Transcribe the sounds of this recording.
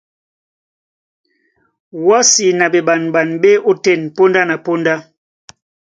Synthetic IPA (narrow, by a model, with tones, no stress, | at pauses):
wa˦si˨na˨be˨ba˨nba˨nbe˦o˦tɛ˦˨npo˦nda˦na˨po˦nda˦